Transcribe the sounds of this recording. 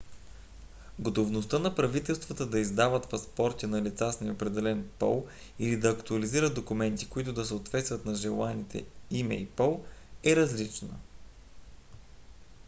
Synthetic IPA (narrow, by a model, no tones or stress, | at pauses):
ɡot̪ovnost̪ənɐpɾɐvit̪ɛlˠst̪vɐt̪əd̪ɐizd̪avət̪pɐspɔɾt̪inɐlit̪sasnɛopɾɛd̪ɛlɛnpɔ̰lˠ | ilid̪ɐːkt̪uɐliziɾəd̪̚d̪okʊmɛnt̪i̥koit̪ʊd̪ɐsɛot̪vɛt̪st̪vət̪nɐʒɛlˠanit̪ɛ̰imɛ̰ipɔlˠɛɾɐzlit͡ʃnə̰